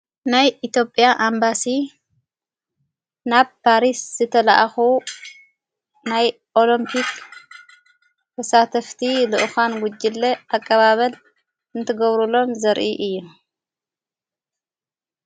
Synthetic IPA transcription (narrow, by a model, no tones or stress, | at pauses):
najit̪jo̞pʼːjaʔambasi | naβpʰaɾisz̥ɨt̪ʰɐlaʔaxu | naj | ʔo̞limpʰik | t̪ʰɐsat̪ʰɐft̪ʰilɨʔxanɡʊd͡ʒːɪlːɐʔakʼːɐβaβɐl | ɨnt̪ʰɐɡɐβɾulo̞mzɐɾʔiʔɨjːu